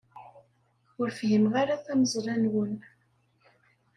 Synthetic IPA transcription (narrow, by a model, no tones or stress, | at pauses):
ʊɾfɦimʁaɾaθæməzˤrˤænwən